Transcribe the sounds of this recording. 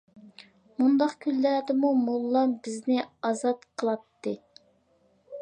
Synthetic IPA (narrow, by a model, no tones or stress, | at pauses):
mund̪ɑqkʲʰynːæd̪ɪmumolˠːɑmbɪznɪɑzɑt̪qʰəlˠɑt̪ːɨ